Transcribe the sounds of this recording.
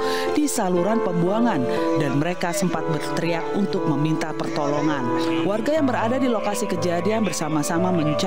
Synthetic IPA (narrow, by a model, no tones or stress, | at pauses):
disaluɾanpəmbuaŋan | danməɾekasəmpat̪̚bərt̪əɾiak̚unt̪ʊk̚məmint̪apərt̪ɔlɔŋan | warɡajaŋbəɾadadilokasikəd͡ʒadianbərsamasamaməɲt͡ʃ